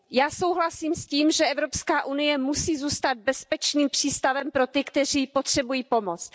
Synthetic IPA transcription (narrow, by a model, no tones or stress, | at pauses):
jaːso̞wɦlasiːmsciːmʒɛʔɛvɾopskaːʔunɪjɛmusiːzuːst̪ad̪̚bɛspɛt͡ʃniːmpr̝̥iːst̪avɛmpɾo̞t̪ɪkt̪ɛr̝iːpot̪r̝̥ɛbujiːpo̞mot͡s̪